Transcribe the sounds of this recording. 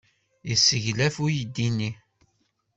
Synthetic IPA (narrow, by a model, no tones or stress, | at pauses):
jəsːəʝlæfujəd̪ːinːi